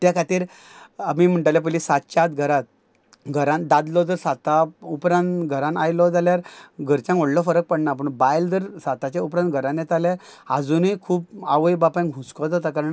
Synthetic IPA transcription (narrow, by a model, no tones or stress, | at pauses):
t̪jakʰat̪iːɾ | amim̤əɳʈalɛp̬əlisat̪̚t͡ɕat̪ɡʱəɾat̪̚ | ɡʱəɾãnd̪ad̪lɔd͡z̪əɾsat̪aupɾãnt̪ɡʱəɾãnajlɔd͡zaljaɾɡʱəɾt͡ɕãŋkoɽlɔfəɾək̚pəɽnap̬əɳbajld͡z̪əɾsat̪at͡ɕaupɾãnt̪̚ɡʱəɾãnjɛt̪alɛ̃ | ad͡zunikʰuːpaʋəjbapãɡʱũt͡skɔd͡z̪at̪akaɾəɳ